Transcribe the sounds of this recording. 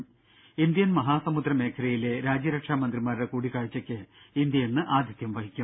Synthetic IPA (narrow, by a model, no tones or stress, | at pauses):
ind̪jɐnmɐɦaːsɐmud̪rɐme̞ːkʰɐɾɐjile̞ɾaːd͡ʑjɐɾɐkʂaːmɐnd̪rimaːɾiɽekuːɽikaːɻit͡ɕːɐkʲːɨind̪jɐjenːɨʔaːd̪ʱjɐt̪jɐmʋɐɦikʲːum